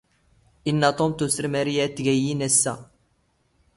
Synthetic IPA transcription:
ʔinːæt̪ˤomt̪usəɾmæɾijæt̪ːɡæjinæsːæ

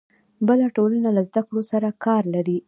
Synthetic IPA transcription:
bəlaʈolanalazd̪akɽosaɾakɑɾlaɾi

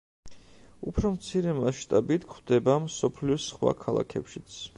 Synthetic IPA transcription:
upʰɾɔmt̪sʰiɾɛmaʃt̪ʼabit̪ʰkʰd̪ɛbamsɔpʰliɔsχwa̰kʰalˠa̰kʰɛpʃit̪sʰ

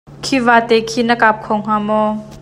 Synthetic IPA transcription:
kʰivaːt̪ɛkʰinəkap̚kʰɔŋɦamɔ

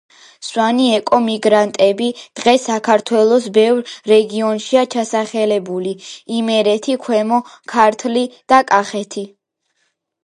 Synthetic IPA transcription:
swaniɛkʼɔmiɡɾant̪ʼɛbid̪̥ʁɛsakʰaɾt̪ʰwɛlˠɔsbɛvɾɾɛɡiɔnʃiat͡ʃʰasaχɛlɛbuliimɛɾɛt̪ʰikʰwɛmɔkʰaɾt̪ʰlid̪̥akʼaχɛt̪ʰi

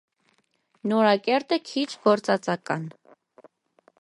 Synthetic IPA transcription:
nɔɾɑkɛɾt̪əkʰit͡ʃʰɡɔɾt͡sɑt͡sɑkɑn

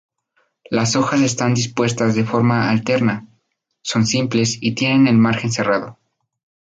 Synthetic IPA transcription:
laso̞xas̬e̞st̪and̪ispwe̞st̪azðe̞fo̞ɾmaalt̪e̞ɾna | so̞nsimple̞sit̪je̞ne̞ne̞lmaɾxe̞nse̞rað̞o̞

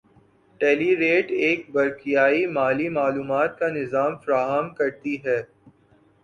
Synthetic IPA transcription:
ʈɛːliɾeːʈeːk̚bɐɾkijaːimaːlimaːluːmaːt̪̚kanɪzaːmfɐɾaːɦəmkɐɾt̪iɦɛː

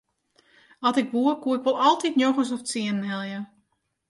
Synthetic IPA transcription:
ɑtɪkʋuəkuəɪkʋɔlˠɑlˠtitnjoxəs̬ɔft͡siənən̩ɦɛlˠjə

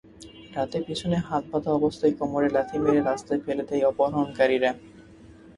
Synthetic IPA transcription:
ɾat̪epit͡ɕʰoneɦat̪̚bad̪ʱaɔbost̪ʰajkɔmoɾelat̪ʰimeɾeɾast̪ʰaefelet̪ejɔpoɦɾaonkaɾiɾa

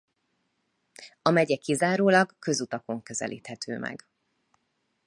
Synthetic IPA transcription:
ɒmɛɟɛkizaːɾoːlɒɡkø̞zut̪ɒko̞ŋkø̞zɛ̰lʔḭːt̪hɛt̪ʰøːmɛ̰ɡ

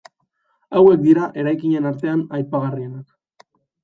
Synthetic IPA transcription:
awe̞k̚d̪iɾaʔe̞ɾajkiɲe̞naɾt̪e̞anajpaɣ̞arie̞nak

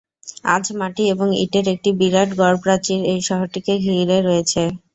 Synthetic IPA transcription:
a̰d͡ʑʱmaʈieboŋḭʈeɾek̚ʈibiɾaʈɡɔɾpɾat͡ɕiɾejʃɔɦoʈikeɡʱiɾeɾɔet͡ɕʰe

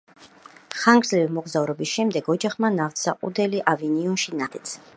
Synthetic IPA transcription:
χaŋɡɾzlɛvimɔɡzavɾɔbisʃɛmd̪ɛɡɔd͡ʒaχmanaft̪saqʼṵd̪ɛliʔaviniɔnʃinat̪ʰɛt̪sʰ

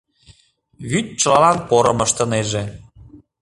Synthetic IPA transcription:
βyt̪̚t͡ʃɤlɑlɑnpoɾɤməʃt̪ə̆neʒe

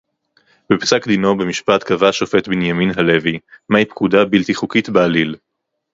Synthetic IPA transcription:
bepsakdino̞bemiʃpat̪kavaʃo̞fe̞tbinjaminɦale̞vimajpkudabilt̪iχukitbealil

